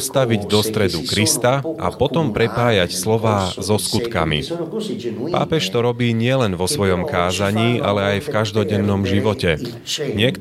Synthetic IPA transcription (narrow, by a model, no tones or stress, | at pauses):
st̪aʋiɟd̪ɔst̪ɾɛd̪ukɾist̪aa̰pɔt̪ɔmpɾɛpaːjacslɔʋaːzɔskut̪ka̰mḭ | pa̰ːpɛʃt̪ɔɾɔbiːɲɪɛlɛnʋɔsʋɔjɔmkaːzaɲiːʔa̰lɛajfkaʒd̪ɔɟɛnːɔmʒiʋɔcɛ | ɲɪɛk